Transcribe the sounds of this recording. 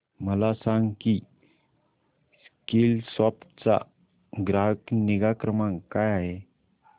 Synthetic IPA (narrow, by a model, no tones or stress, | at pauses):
məlasaŋɡki | skilsɔpt͡sa̰ | ɡɾaɦəkniɡakɾəmãŋkajaɦe